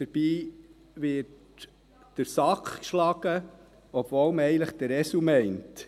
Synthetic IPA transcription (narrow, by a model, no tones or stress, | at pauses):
d̥əɾb̥iː | ʋɪt | d̥əɾsɑkkʃlɑɡ̥ə | ɔbvɔːlməɛɪənləχt̪əɾɛsumɛɪnt